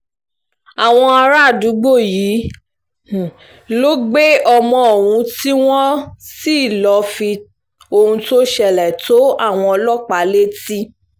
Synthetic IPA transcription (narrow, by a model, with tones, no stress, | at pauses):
a˨w̃ɔ̃˧a˧ɾa˦˨du˨˦ɡ͡bo˦˨ji˨˦˨ | lo˦ɡ͡be˦ɔ˧mɔ̃˧o˨wũ˧˦ti˦w̃ɔ̃˦si˦˨lɔ˧fi˧ | o˧hũ˧to˦ʃɛ˦˨lɛ˨to˨˦a˦˨w̃ɔ̃˧ɔ˧lɔ˦k͡pa˨˦le˦ti˦